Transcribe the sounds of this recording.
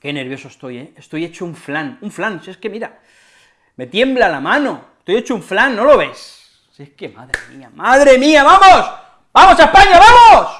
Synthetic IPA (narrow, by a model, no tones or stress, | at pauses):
ke̞ne̞ɾβjo̞soest̪o̞jeest̪o̞je̞t͡ʃouɱflanuɱflansieske̞miɾa | me̞t̪je̞mblalamãno̞est̪o̞jet͡ʃouɱflanːo̞lo̞βe̞sː | ehke̞maðɾemiamaðɾemiaβamos | b̥amo̞saespaɲaβamos